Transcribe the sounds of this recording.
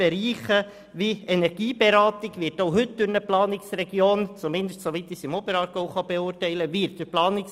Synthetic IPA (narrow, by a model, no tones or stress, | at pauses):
ɛɾiːχə | ʋiɛnɛɾɡ̥iːbɛɾɑːt̪ɪɡʋɪːɾtoʊɦʏt̚d̥ʊɾnəplɑːnɪksrɛɡjoːnt͡sumɪnd̪əstsoʋit̪ɪsɪmɔbəɾɑːɾɡoʊχɑbɛʊrtɛɪləʋɪɾt̚d̥əplɑːnɪks